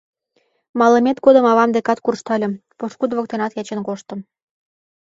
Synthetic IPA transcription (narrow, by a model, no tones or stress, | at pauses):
mɑləmʲet̪ɡod̪ə̆mɑβɑmd̪ekɑt̪kurʃt̪ɑlʲɤ̆mpoʃkud̪βok̚t̪enɑt̪jɑt͡ɕenkoʃt̪ə̆m